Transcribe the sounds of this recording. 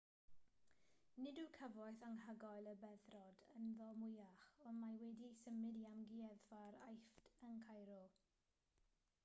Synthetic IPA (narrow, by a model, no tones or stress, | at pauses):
nɪdukʰəvɔjθaŋɦəɡɔjlˠəbɛðrɔdənðɔmʊjaχɔnmajwɛdisəmɪdiamɡiɛðfaɾajftʰəŋkʰajɾɔlˠ